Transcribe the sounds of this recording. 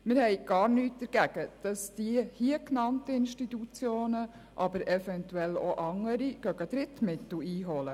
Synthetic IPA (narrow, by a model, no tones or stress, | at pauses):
mɪɾhɛɪɡ̥ɑːɾnyːt̚d̪̥əɾɡ̥æɡ̥əd̥ɑsd̥ihiəknɑntəɪnʃtitut͡sjoːnə | ʔɑbəɾɛfɛntuɛloʔɑŋːəɾiɡ̥œɡəd̥̪ɾɪtmɪtl̩iːɦɔlə